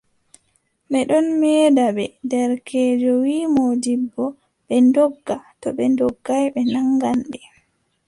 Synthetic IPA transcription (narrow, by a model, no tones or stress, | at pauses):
ɓɛɗɔnmɛːdaɓɛdɛɾkʰɛːd͡ʒɔwiːmod͡ʒibːɔ | ɓɛndɔɡːatɔɓɛndɔɡːajɓɛnaŋɡanɗɛ